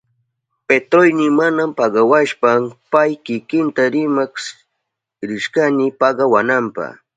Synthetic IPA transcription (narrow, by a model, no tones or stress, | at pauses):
pet̪ɾojnɪmanampɑɢɑwaʃpampajkɪkɪnt̪aɾɪmaks | ɾɪʃkanɪpɑɢɑwanampɑ̰